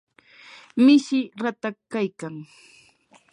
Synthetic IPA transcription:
mɪʃɪɾat̪akajkaŋ

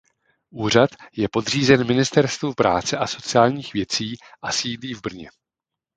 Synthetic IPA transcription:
ʔuːr̝at̪jɛpo̞dr̝iːzɛnmɪnɪst̪ɛɾst̪vupɾa̰ːt͡sɛʔaso̞t͡sɪaːlɲiːxvjɛt͡siːʔasiːdiːvbr̩ɲɛ̰

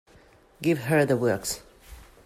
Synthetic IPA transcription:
ɡɪvɦə˞ðəwɜ˞ks

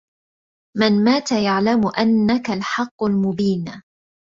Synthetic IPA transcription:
mɪnmaːt̪ajaʕlamʊʔanːakalħɑqːʊlmʊbiːn

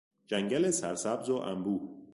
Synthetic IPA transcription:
d͡ʒæŋɟælesæɾsæbzoʔæ̰mbuː

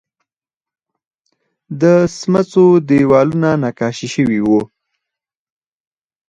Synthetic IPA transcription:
d̪əsmat͡sod̪ewɑlunanɑkɑʃiʃəwiwu

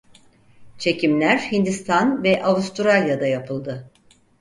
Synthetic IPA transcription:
t͡ʃʰe̞cimlʲæɾhind̪ist̪ʰanvɛʔavust̪uɾalʲjad̪ajapʰɯlˠd̪ɯ

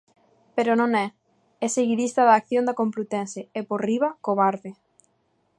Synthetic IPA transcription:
peɾonõŋɛ | ɛseɣiðist̪ɐðaːkθjõnd̪akõmplut̪ɛnseɛpoɾriβakoβaɾðɪ

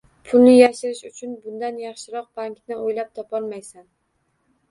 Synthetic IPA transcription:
pʰʊlnɪjaʃɪɾɪʃʊt͡ʃʰʊnbʊnd̪anjɑχʃɪɾɒq̚baŋknɪʔojlap̚t̪ʰɒpɒlˠmajsan

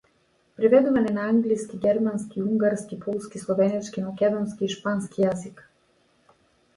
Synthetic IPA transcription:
pɾivɛd̪uvanɛnaaŋɡliskiɡʲɛɾmanskiuŋɡaɾskipʰɔlˠskislˠɔvɛnɛt͡ʃkimakʲɛd̪ɔnskiːʃpanskijazik

